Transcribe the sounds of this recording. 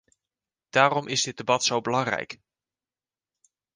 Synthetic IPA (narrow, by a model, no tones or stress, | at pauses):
d̥aːrɔmʔɪzdɪd̚ebɑtsowbəlɑŋrɛ̰jk